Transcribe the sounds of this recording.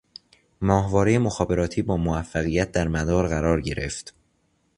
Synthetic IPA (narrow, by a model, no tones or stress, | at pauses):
mɒːhvɒːɾejemoxɒːbe̞ɾɒːt̪ʰiːbɒːmovæfːæɣijæt̪̚d̪æɾmæd̪ɒːɾɣæɾɒːɾɟe̞ɾe̞̰ft̪